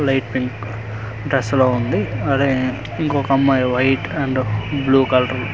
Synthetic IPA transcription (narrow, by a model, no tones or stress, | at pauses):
lɐjʈpiŋk | ɖɾesloːund̪iɐɽe | iŋkɔkɐmːaːjʋɐjʈɐɳɖbluːkɐlʈɐɾl